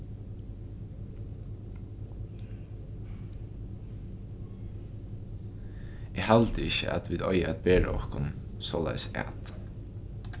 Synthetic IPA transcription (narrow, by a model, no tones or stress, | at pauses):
eːhɑlt̪əɪçə̰ʔɑ̰t̪ʋiːd̪ɔʏəæt̪̚beːɹəɔhkʊnsoːlæ̰ɪsæ̰ːt̪